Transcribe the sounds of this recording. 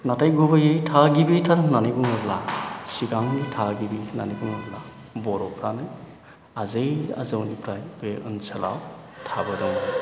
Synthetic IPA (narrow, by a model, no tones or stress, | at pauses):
natajɡubɯjɯjtʰaɡibitʰalnaniɡuŋɯplasiɡaŋnitʰaɡibina̰niɡuŋɯpla | bɔɾɔkɾanɯj | azɯja̰zɯwnipɾajbeʔɯ̰nsala̰wtʰabɯdɔŋ